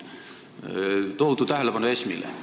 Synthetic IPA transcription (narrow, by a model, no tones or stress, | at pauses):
t̪out̪ut̪æɦelepɑnoesmḭlḛ